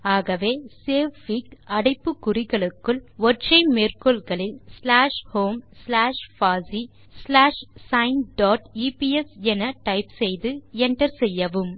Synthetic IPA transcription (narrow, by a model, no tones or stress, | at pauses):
aːɣɐʋeːseːʋːikɐɽɐɪpːɯkːʊrɪɣɐɭɯkːɯɭʋɔrt͡ʃɐɪmeːrkɔɭɣɐɭɪlslaːʂhoːmslaːʂfaːsi | slaːʂsɐɪnɖɔːʈiːpiɛsɛnɐʈɐɪpsɛjðɯɛnɖɐɾsɛjːɐʋɯm